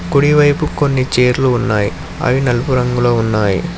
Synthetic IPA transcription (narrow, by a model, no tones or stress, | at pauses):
kuɽiʋɐjpukonːit͡ʃe̞ːɾluːnːaːji | ɐ̰jinɐlupuɾɐŋɡuloːunːaːjḭ